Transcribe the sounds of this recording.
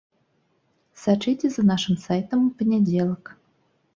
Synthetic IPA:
sat͡ʂitʲezanɑʃɨmsɑjt̪əmpənʲedʲelˠək

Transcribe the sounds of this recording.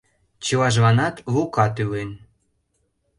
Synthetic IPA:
t͡ɕəlɑʒβɑnɑt̪βukɑt̪ylen

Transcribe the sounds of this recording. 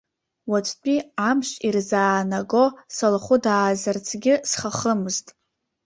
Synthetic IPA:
wat͡ʃʷʰʼt͡pʷʰʼiamʃirzaːnaɡo̞salχʷʊdaːzart͡sʰɡʲɪsχaχəmɨztʼ

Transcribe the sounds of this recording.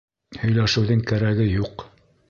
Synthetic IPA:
hɵ̆jlæʃɘ̆wðɘŋkæɾæɡɘjuq

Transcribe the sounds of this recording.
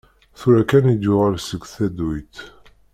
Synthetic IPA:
θuɾækænid̪ʊʁalsəɡθæd̪ujt̪

